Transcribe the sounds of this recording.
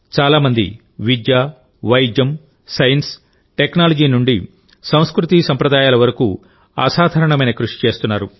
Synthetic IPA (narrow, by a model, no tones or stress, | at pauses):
t͡ʃaːlaːmɐnd̪ḭ | ʋid͡ʒ̪jaː | ʋɐjd͡ʒjɐm | sɐjɐns | ʈeknaːlɐd͡ʒiːnuɳɖi | sɐ̃w̃skɾut̪isɐmpɾɐd̪aːjaːlɐʋɐɾɐkṵ | a̰ːsaːd̪ʱɐɾɐɳɐmɐjnɐkɾuʂi̥t͡ʃe̞ːst̪unːaːɾu